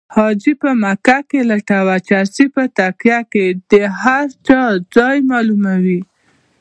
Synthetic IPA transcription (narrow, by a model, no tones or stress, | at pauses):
hɑd͡ʒipəmakakelaʈawat͡ʃasipət̪akjaked̪əhaɾt͡ʃɑd͡zɑjmɑlumawi